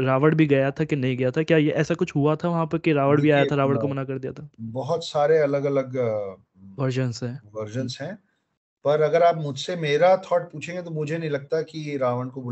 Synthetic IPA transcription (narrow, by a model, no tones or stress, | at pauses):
ɾaːʋəɽbʱiɡɐjat̪ʰakenɐɦĩɡɐjat̪ʰakjaːjeʔɛːsakʊt͡ʃʰɦuat̪ʰaʋɐɦãpɐɾkiɾaːʋəɽbʱiaːjat̪ʰaɾaːʋəɽkomɐnakɐɾd̪ijat̪ʰaːbɐɦɔt̪saːɾeɐləɡɐləɡ | ʋɐɾd͡ʒə̃nsɦɛ̃ːʋɐɾd͡ʒə̃nsɦɛ̃ː | pɐɾɐɡəɾaːpmʊd͡ʒʱsemeːɾat̪ʰɔːʈ̚puːt͡ʃʰẽŋɡet̪̬omʊd͡ʒʱenɐɦĩlɐɡ̚t̪akiɾaːʋəɳɖkob